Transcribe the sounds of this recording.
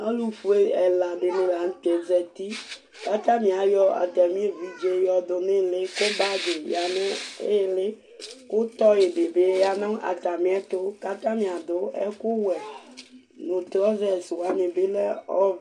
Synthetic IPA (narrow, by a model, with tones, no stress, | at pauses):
a˦lu˨ɸu˦e˦ɛ˨la˨ɖe˨nẽ˦la˨ŋ̩˦t̪ɛ˨d͡zɛ˨t̪i˦ | ka˦t̪ã˦mĩ˨a˨jɔ˦a̰˨t̪ɛ˨mĩ˦e˨vi˦d͡ʒe˦jɔ˦d̪o˨nẽ˦˨le˦ko˦ba˦d͡ʒe˨ja˨nẽ˦e˦˨le˦ | ko˦t̪ɔ˦je˨ɖe˨be˦ja˦nã˦a̰˨t̪a˨mĩ˦ɛ˦t̪o˦ka˦t̪ã˦mĩ˨a˨d̪o˦ɛ̰˦ko˦wɛ˨ | nõ˨t̪ɾɔ˦zɛ˨swa˨˦ɲẽ˨be˦lɛ˦ɔ˦